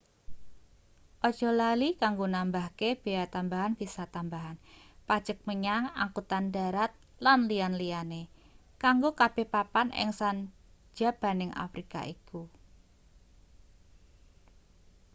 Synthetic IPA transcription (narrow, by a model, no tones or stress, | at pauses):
ʔɔd̥ʒ̥ɔ̤lalikaŋɡonambahkeb̥eat̪ambaɦanb̥isat̪ambaɦanpad̥ʒ̥ək̚məɲaŋa̰ŋkut̪andaɾat̪̚ | lanlianliane | kaŋɡokab̥e̤hpapanʔɪ̰ŋsan̥ | d͡ʒ̥a̤b̥a̤nɪŋa̰fɾika̰ʔiku